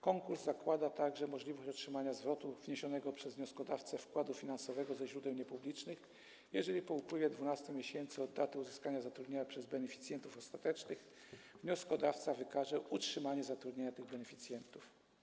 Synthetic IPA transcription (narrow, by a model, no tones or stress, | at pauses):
kɔŋkuɾzːakwad̪at̪aɡʐɛmɔʐlʲivɔɕt͡ɕɔtʂɘmaɲazvɾɔt̪uvɲeɕɔnɛɡɔpʂɛzvɲɔskɔd̪aft̪sɛfkwad̪ufʲinansɔvɛɡɔzɛʑɾud̪ɛwɲɛpublʲit͡ʂnɘx | jɛʐɛlʲipɔupwɘvʲjɛd̪vunast̪ɛmʲjeɕɛnt̪sɘɔd̪ːat̪ɛuzɘskaɲazat̪ɾud̪ɲeɲapʂɛzbɛnɛfʲit̪sʲjɛnt̪ufɔst̪at̪ɛt͡ʂnɘx | vɲɔskɔd̪aft̪savɘkaʐɛutʂɘmaɲɛzat̪ɾud̪ʲɲeɲat̪ɘɣbɛnɛfʲit̪sʲjɛnt̪uf